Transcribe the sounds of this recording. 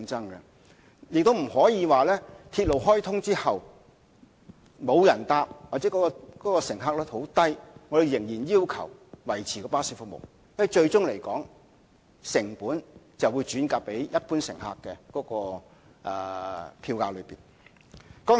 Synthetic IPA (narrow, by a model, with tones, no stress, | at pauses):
ŋt͡sɐ˥ŋkɛ˧ | jɪ˨k̚t̪o˥wm̩˨˩hɔː˨˥jiː˨˧waː˨lɛː˥t̪ʰiː˧t̚lo˨wɦɔː˥jt̪ʰʊ˥ŋt͡siː˥hɐ˨w | mo˨˧wjɐ˨˩nt̪aː˧p̚waː˨˩t͡sɛ˨˦˥kɔː˨˥kɔ˧kɔː˨˥kɔː˧sɪ˨˩ŋɦaː˧k̚lɛː˥ho˨˥wt̪ɐ˥jŋɔː˨˧d̪e˨˧jɪ˨˩ŋjiː˨˩njiː˥wkʰɐ˨˩wwɐ˨˩jt͡sʰiː˨kɔː˧paː˥siː˧˥fʊ˨˧k̚mo̰˨w | jɐ˥˨jt͡ʃɵ˧ɥt͡sʊ˥ŋle˨˩jkɔː˨˥ŋ | sɪ˨˩ŋpuː˨˥n | t͡sɐ˨wu˨˧jt͡ʃyː˨˥nkaː˧k̚pe˨˥jjɐ˥t̚puː˥nsɪ̰˨˩ŋha̰ː˧kːɛː˧kɔː˨˥kɔː˧ | ʔɛː˧pʰiː˧wkaː˧lɵ˨˧ɥpiː˨˩n | kɔː˨˥